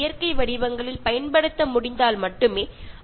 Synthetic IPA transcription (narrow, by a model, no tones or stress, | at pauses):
jɐɾkɐɪʋɐɽɪʋɐŋɡɐɭɪlpɐjɐnpɐɽɯt̪ːɐmʊɽɪnd̪aːlmɐʈːɯmeː